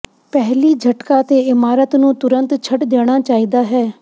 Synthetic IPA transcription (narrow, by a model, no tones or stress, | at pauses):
pɛɦliːd͡ʒʱəʈkaːt̪eːɪmaːɾət̪nũːt̪ʊɾənt̪t͡ʃʰəʈd̪eːɽ̃aːt͡ʃaːiːd̪aːɦɛː